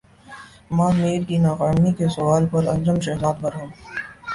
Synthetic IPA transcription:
mãmeːɾkinaːqaːmikesʊʋaːlpɐɾɐ̰̃nd͡ʒəmʃɐɦzaːd̪̚bɐɾɦũː

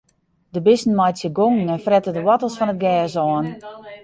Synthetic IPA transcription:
dəbɪsn̩majtsjəɡoŋŋ̩ɛnfrɛtədəwɔtəlˠsfɔnət̚ɡɛːsɔːn

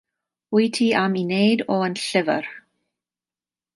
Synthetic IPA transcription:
wiːtʰiaminejdɔənɬɪvə̰r

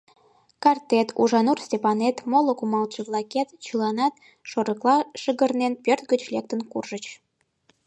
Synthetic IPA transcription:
kɑrt̪et̪ʰuʒɑnursʲtʲepɑnet̪molokumɑlˠt͡ɕəβlˠɑket̪t͡ɕəlɑnɑt̪ | ʃoɾəklˠɑʃəɣərnenpʲørt̪̚ɡət͡ɕlek̚t̪ənkurʒət͡ɕ

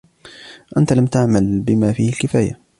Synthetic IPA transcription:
ʔant̪alamt̪aʕmalbɪmaːfiːhalkɪfaːja̰

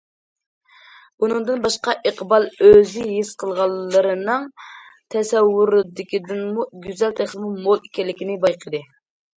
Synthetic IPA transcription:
b̥unɨŋd̪ɨnbɑʃqɑʔeqʰbɑlˠøzɪjiz̥qʰəlˠʁɑlˠːəɾɨnɨŋ | t̪ʰɛsɛwːuɾd̪ɪkʲid̪ɪnmuɡʲyzɛlt̪ʰæχlɨmɨŋmolˠikʲɛlːɪkʲinɪbɑjqʰəd̪ɨ

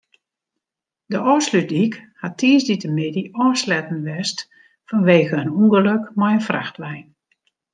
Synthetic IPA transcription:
dəʔɔːslydikhatʰiːsditəmɪdiʔɔːslɛtn̩ʋɛst | fɔnʋeːɣəənuŋɡələkmɔjənfra̰xtʋɛjn

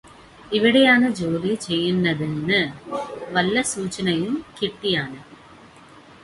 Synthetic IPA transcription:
iʋiɽɐjaːɳɐd͡ʑoːrit͡ɕejːunːɐðinːɨ | ʋɐlːɐsuːt͡ɕːɐnɐjumkiʈːijaːɳɨ

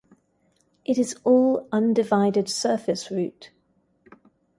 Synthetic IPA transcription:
ʔɪtɪzɔːlʌ̃ndɪvaɪdɪd̥sɜˑfɪsɹʉˑt

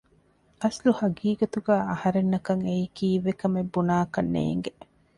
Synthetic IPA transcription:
ɐsluhɐɡiːɡɐt̪uɡæːɐhɐɾenːɐkɐŋeikiːʋekɐmebːunaːkɐnːḛːŋɡe

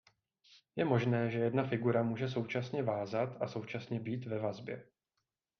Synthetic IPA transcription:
jɛmo̞ʒnɛːʒɛjɛdnafɪɡuɾamuːʒɛso̞wt͡ʃasɲɛvaːzat̪aso̞wt͡ʃasɲɛbiːt̪vɛvazbjɛ̰

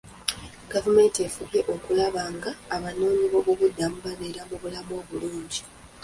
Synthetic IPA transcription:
ɡavume̞ːnte̞fuɡe̞ʔo̞kulaβaːŋɡaːβano̞ːɲiβo̞βoβudːamuβaβeɾamuβulamo̞ːβuluːɲɟi

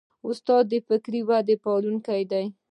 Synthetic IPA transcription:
ʊst̪ɑd̪̚ːəfɪkɾiwad̪epɑluŋkajd̪aj

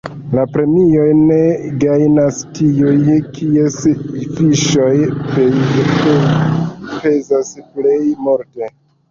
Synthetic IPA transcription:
lapɾe̞mio̞jne̞ɡajnastʰiujkʰiesifiʃo̞jpo | pe̞zasplejmoɾte

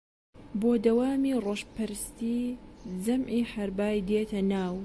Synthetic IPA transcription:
boːd̪ɐwaːmiːroːʃpɐɾɨst̪iːzɐmʕiːħɐɾbaːjd̪eːt̪ʰɐnaːw

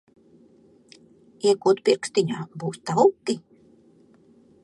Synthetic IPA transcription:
iɛkuːt̪pʲiɾksʲt̪ʲiɲʲaːbuːst̪aukːi

